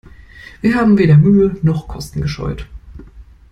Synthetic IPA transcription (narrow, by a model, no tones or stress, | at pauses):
v̥iːɐɦaːbm̩veːdɐmyːənɔχkʰɔstn̩ɡəʃɔ̰ʏt